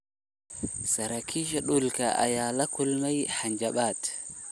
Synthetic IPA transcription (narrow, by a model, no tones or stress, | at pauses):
saɾakʰiːʃ̬aɗulkaʔa̰jalakʰulmajhaɲd͡ʒaɓaːt